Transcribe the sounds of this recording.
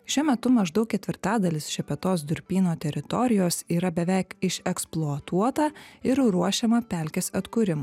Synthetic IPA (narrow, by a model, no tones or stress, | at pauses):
ʃʲuɔmʲɛt̪ʊmɐʒd̪ɐʊk̚ʲkʲɛt̪ʲʋʲɪɾt̪ɑːd̪ɐlʲɪsʃʲɛpʲɛt̪oːsd̪ʊɾʲpʲiːnoːt̪ʲɛɾʲɪt̪ɔɾʲɪjoːsiːɾɐbʲɛʋʲɛˑɪkɪʃɛksplˠuɐt̪uɔt̪ɐɪɾɾuɔʃʲɛmɐpʲæˑlʲkʲɛsɐt̪kʊɾʲɪmɐ